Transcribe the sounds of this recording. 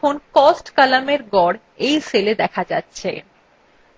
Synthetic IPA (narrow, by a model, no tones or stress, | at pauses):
onkɔsʈkalameɾɡɔɽ | ejseled̪ɛkʰad͡ʑatːɕʰḛ